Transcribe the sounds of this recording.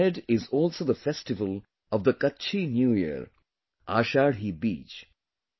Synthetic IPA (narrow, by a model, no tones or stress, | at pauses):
ɛɖɪzɔːlsoːd̪əfɛsʈɪʋəl | ɔʋd̪əkɐtːt͡ʃʰinjuːjə̰ɾ | ʔa̰ːʃaːɽɦiːbḭːt͡ʃ